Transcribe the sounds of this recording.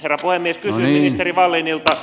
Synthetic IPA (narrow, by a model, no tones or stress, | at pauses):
herːɑpuhemːieskysyːminist̪eriʋɑlːenilt̪ɑ